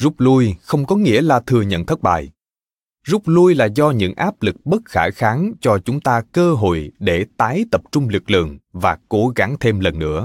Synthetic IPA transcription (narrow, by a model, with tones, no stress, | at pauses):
zu˦˥k͡p̚lu˧jxə˧wŋ͡mkɔ˨˦ŋḭ˧˥əlaː˨˩t̪ʰɨ˨˩əɲə̰˧˨nt̪ʰə˦˥t̚ɓa̰ː˧˨˩j | zʊ˦˥k͡p̚lu˧jlaː˨˩zɔ˧ɲɨ̰˧˥ŋʔaː˦˥p̚lɨ˨˩k̚ɓə˦˥t̚xaː˧˩jxaː˨˦ŋt͡ɕɔ˧t͡ɕʊ˨˦ŋ͡mt̪aː˧kəː˧ɦo̰˧˨jɗe˧˩t̪aː˨˦jt̪ə˨˩p̚t͡ɕʊ˧ŋ͡mlɨ˨˩k̚lɨ̰˧˩˨əŋvaː˨˩ko˧˩ɣa˧˦ŋt̪ʰe˧mlə˨˩nːɨ̰˧˥ə